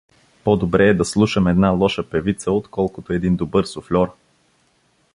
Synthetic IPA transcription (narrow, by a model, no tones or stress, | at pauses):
pɔd̪obɾɛːd̪ɐslˠuʃɐmɛd̪nalˠɔʃəpɛvit̪səot̪kɔlˠkʊt̪oɛd̪ind̪obɤɾsoflʲɔɾ